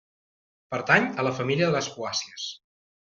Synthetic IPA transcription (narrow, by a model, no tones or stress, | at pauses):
pəɾt̪aɲələfəmiliəðələspuasiəs